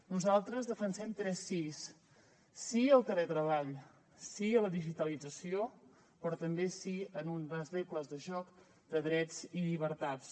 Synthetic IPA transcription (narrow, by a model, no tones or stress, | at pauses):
nuzalˠt̪ɾəzðəfənsɛmt̪ɾɛsːisː | iəlˠt̪əlet̪ɾəβ̞aʎ | siələðiʒit̪əlid͡zəsio | pɾɔt̪əmbesiənunbazðekləzðəʒɔk | d̪əðɾɛd͡ziʎiβ̞əɾt̪at͡s